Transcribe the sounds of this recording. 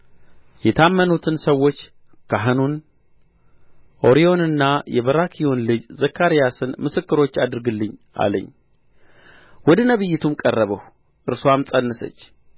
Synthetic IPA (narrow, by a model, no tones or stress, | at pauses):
jɛt̪ʰamːənut̪ʰɨnsəwːo̞t͡ʃː | kʰaɦɨnun | ʔo̞ɾijo̞nɨnːajɛβəɾakʰijo̞nlɨd͡ʒzəkːaɾijasɨnmɨsɨkːɨɾo̞t͡ʃːad̪ɨɾɡɨlːɨɲʔa̰lə̰ɲː | wɔd̪ənəβɨjːɪt̪ʰumkʼərːəβəh | ʔɨɾsoamsʼənːɨsə̰t͡ʃː